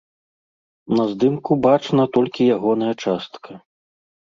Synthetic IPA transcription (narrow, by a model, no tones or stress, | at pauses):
nɐzd̪ɨmkubat͡ʂnɐt̪ɔlʲkʲijaɣɔn̪ɐjɐt͡ʂast̪kʰɐ